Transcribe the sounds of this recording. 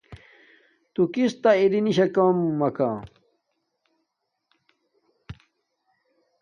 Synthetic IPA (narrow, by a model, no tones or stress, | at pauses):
t̪ukist̪aiɾiniɕɐkɐmːɐka